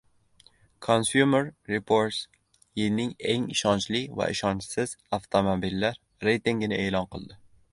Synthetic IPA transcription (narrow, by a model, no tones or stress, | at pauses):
kʰonsjumeɾːɪpʰoɾt̪s | jɪlnɪŋeŋɪʃɒnt͡ʃlɪva̰ʔɪ̰ʃɒnt͡ʃsɪz̥aft̪ʰomobilːaɾːe̞jt̪ɪŋɡʲnɪeːlɒnqʰɨlˠd̪ɪ